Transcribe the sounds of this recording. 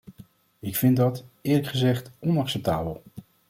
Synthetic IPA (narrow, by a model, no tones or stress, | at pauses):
ɪkfɪndɑtɪːɹləkχəzɛχtɔnɑksɛp̚taːbəlˠ